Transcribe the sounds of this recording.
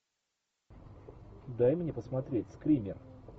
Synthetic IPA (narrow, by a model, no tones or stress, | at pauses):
d̪ajmnʲepəsmɐt̪ɾʲetʲskɾʲimʲɪr